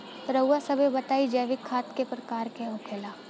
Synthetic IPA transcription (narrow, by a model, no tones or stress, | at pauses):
pɾɐwːasɐbʱebɐt̪aːid͡ʒɐːʋɪkʰːaːt̪kepɾɐkaːɾkeɦʊkʰelaː